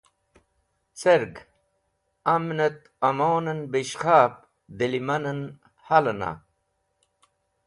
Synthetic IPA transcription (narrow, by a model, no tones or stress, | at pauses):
t͡seɾɡ | ɐmnɐt̪ | ɐmoːnɐnbiɕχaːp̚ | d̪elimɐnɐn | hɐlɐna̰